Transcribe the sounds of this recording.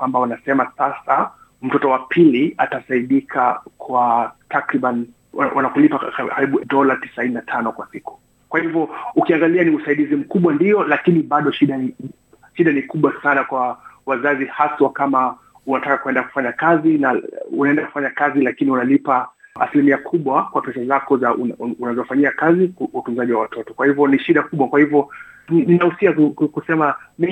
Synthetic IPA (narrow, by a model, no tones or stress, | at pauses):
kwambaunasɛmasasa | m̩tɔtɔwapʰiliatasaiɗikʰakʰwatʰakɾiɓan | wanakulipakkaɾiɓuɗɔlati̥saininatʰanɔkwasiku̥ | kwahivɔukiaŋɡalianiusaiɗizim̩kuɓwandiɔlakiniɓaɗɔʃiɗani | ʃiɗanikuɓwasanakwawazazihaswakama | unatakakuwɛndaku̥faɲakazinaunaɛndaku̥faɲakazilakiniunalipaa̰silimiakʰuɓwakwapɛsazakɔzaunazɔfaɲiakaziutunzaʄiwawatʰɔtɔ̥kwahivɔniʃiɗakuɓwakwahivɔnininahusiakukusɛmam